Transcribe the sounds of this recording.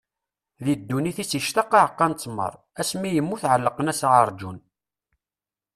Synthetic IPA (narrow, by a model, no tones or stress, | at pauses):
ðid̪ːuniθisiʃt̪ɑqːɑʕəqːɑnt͡sːmːə̰ɾˤ | æsmijəmːuθʕəlːəqənæsʁəɾˤd͡ʒun